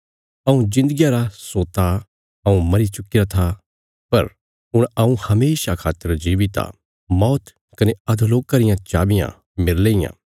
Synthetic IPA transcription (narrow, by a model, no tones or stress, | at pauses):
ɐũd͡ʒɪ̃nd̪əɡijaɾasoːt̪a | ɐũmɐɾit͡ʃʊkɪɾat̪ʰa | pɐɾ | ʊɽ̃ɐũhɐmeːʃakʰaːt̪ːəɾd͡ʒiːʋit̪a̰ | mɔːt̪ | kɐneɐd̪ʱuloːkːaɾɪjãt͡ʃaːbɪjã̰ | mɪɾleːɪjã̰